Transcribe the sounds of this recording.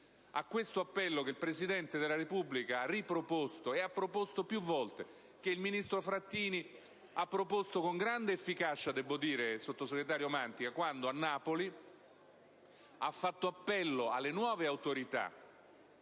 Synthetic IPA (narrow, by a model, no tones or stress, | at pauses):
a̰kːwest̪oapːɛlːokeilpɾesid̪ɛnt̪ed̪elːaɾepubːlikaarːipɾopost̪oeapːɾopost̪opjuvːɔlt̪e | k̟eilminist̪ɾofɾat̪ːiːni | apːɾopost̪okoŋɡɾand̪eːfːikat͡ʃad̪ɛbːod̪iːɾesot̪ːoseɡɾet̪̬aːɾjomant̪ikakwand̪oanːaːpoli | afːat̪ːoapːɛlːoa̰lːenwɔːveawt̪oɾit̪a̰